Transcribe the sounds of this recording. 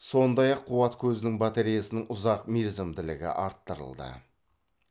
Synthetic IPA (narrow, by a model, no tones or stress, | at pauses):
so̞nd̪ɑjɑqʰːʊwɑt̪kʲʰɵzɪnɪŋbat̪e̞ɾijasənɪŋʊzɑqmiɾzemd̪ɪlɪ̰ɡʲɪ̰ʔɑɾt̪ːəɾə̰lˠd̪ə̰